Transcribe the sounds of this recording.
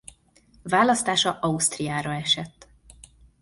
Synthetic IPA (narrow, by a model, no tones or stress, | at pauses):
vaːlɒst̪aːʃɒʔɒust̪rijaːɾɒɛʃɛt̪ː